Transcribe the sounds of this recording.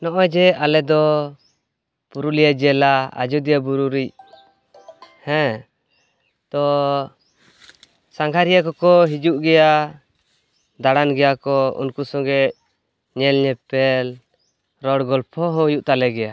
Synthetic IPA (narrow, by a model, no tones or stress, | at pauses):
nɔʔɔjd͡ʒɛalɛd̪ɔ | puɾulijad͡ʒɛlaa̰d͡ʒɔd̪ijabuɾuɾic̚ | hɛ̃ | t̪ɔ | saŋɡʱaɾijakɔkɔɦid͡ʒuʔɡɛja | d̪aɽanɡɛjakɔṵnkusɔŋɡɛ | ɲɛlɲɛpɛl | ɾɔɽɡɔlpʰɔɦɔ̃juʔt̪alɛɡɛja